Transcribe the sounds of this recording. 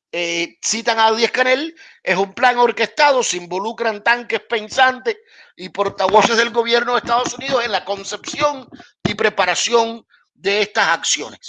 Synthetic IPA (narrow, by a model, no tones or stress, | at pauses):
esit̪aŋaðje̞hkane̞l | e̞sumplaŋo̞ɾke̞st̪aðo̞seimbo̞lukɾant̪aŋke̞spe̞nsant̪e̞s | ipo̞ɾt̪aβo̞sezðe̞lɡo̞βje̞ɾno̞ð̞est̪aðo̞sunið̞o̞se̞ŋlako̞nse̞psjo̞ŋ | ipɾe̞paɾasjo̞n | d̪e̞est̪asaksjo̞̰ne̞s